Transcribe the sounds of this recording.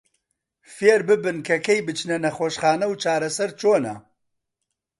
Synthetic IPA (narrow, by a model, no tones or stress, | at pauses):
feːɾbɨbɨnkʰɐkɛjbɨt͡ʃnɐnɐxoːʃχaːnɐwt͡ʃʰaːɾɐsɛɾt͡ʃoːnɐ̰